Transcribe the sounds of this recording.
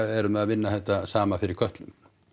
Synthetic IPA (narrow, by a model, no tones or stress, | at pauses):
ɛɾʏmɛðaðvɪnːaθɛht̪ːasaːmafɪɾɪɾ̥kʰœht̪lʏm